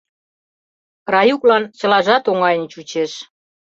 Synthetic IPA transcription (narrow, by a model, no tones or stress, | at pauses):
rɑjuklɑnt͡ɕə̆lɑʒɑt̪oŋɑjə̆nt͡ɕut͡ɕeʃ